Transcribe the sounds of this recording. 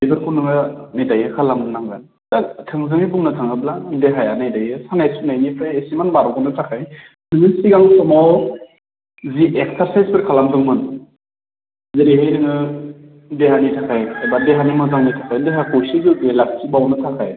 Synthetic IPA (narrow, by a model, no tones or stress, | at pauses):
ibʰɯɾkʰunɯŋɯmedajɯkʰalamdɯnaŋɡan | datʰɯŋzɯŋibuŋnatʰɯŋɯbladeɦajanajdajɯsanajsunajnipʰɾajesimanbaɾɔkɔnɯtʰakʰaj | nɯŋɯsiɡaŋsɔmaw | ziʔek̚saɾsajzpʰɯɾkʰalamzɯŋmɯn | zɯɾiɦɯjnɯŋɯ | deɦanitʰakʰajajbadeɦanimɯzaŋnitʰḁkʰajdeɦakɔjsizɯɡelak̚tʰibawnɯtʰakʰaj